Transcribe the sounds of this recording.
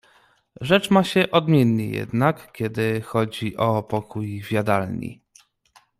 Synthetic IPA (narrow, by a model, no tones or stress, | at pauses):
ʐɛt͡ʂmaɕɛʔɔd̪mʲjenːḛjɛ̰d̪nakkʲɛd̪ɘxɔd͡ʑiʔɔpɔkujvʲjad̪alɲḭ